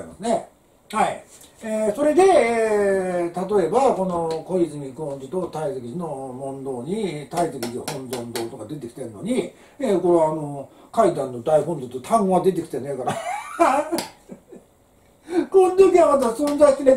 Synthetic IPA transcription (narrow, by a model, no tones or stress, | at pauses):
imasɨne | hai | eso̞ɾe̞d̪e̞e | t̪at̪o̞e̞bako̞no̞ko̞izɨmʲikõɲd͡ʑit̪o̞t̪aisekʲizino̞mõ̞nd̪o̞ːɲ̟it̪aisekʲizhõ̞nd̪õ̞nd̪o̞ːt̪okad̪e̞t̪e̞kʲi̥t̪e̞ɾɯ̟no̞ɲ̟i | eko̞ɾeːnokaid̪ãnːo̞d̪aiɦõɲd̪ot̪ːot̪ʰãŋ̃ɡoad̪e̞t̪̬e̞kʲi̥t̪enekaɾa | kõnd̪okʲiamat̪̬asonzaskine